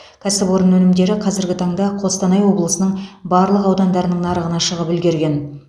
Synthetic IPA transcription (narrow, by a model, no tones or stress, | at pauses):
kʲʰæsɪbo̞ɾənwɵnɪmd̪e̞ɾɪqʰɑzɪɾɡʲɪt̪ʰɑɴd̪ɑqʰost̪ɑnɑjwo̞blˠəsənəɴbɑɾlˠəqɑwd̪ɑnd̪ɑɾənəɴnɑɾəʁənɑʃəʁəpɪlɡʲe̞ɾɡʲe̞n